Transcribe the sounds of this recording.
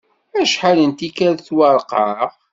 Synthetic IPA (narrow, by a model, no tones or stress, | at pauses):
æʃħalənt̪ikæɾθwɑɾˤqɑf